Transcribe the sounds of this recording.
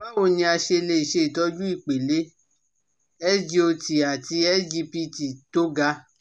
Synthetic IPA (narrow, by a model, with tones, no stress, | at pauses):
ba˦wo˨nĩ˧a˧ʃe˧le˧i˨ʃe˧i˨tɔ˨˦d͡ʒu˦i˦˨k͡pe˨le˨˦ | ɛ˦d͡ʒi˦o˧ti˨a˨ti˧e˦d͡ʒi˧pi˧ti˨to˨˦ɡa˧